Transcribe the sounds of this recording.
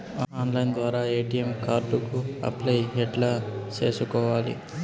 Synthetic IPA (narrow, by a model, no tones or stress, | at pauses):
aaːnlɐjnd̪ʋaːɾaːeːʈijemkaːɾɖukuɐ̰plɐjɦɛʈlaːt͡ʃe̞ːsukɔːʋaːlḭ